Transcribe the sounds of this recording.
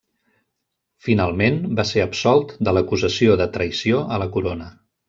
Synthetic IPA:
finalˠmenbaseəpsɔlˠt̪d̪ələkuzəsioðət̪ɾəjsioʔələkuɾonə

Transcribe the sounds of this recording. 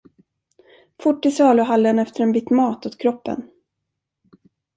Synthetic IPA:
fʊʈːɪsɑːləɦalːənɛft̪əɾɛnbɪt̪mɑːt̪ɔt̪kʰɾɔpːə̰n

